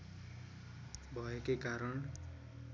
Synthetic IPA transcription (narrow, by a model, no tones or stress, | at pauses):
bʱʌekekaɾʌn